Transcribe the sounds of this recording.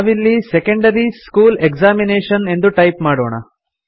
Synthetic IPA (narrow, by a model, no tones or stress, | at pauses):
ʋilːisekɐɳɖɐɾiskuːlekzaːmineːʂɐne̞nd̪uʈɐjp̚maːɽo̰ːɳɐ̰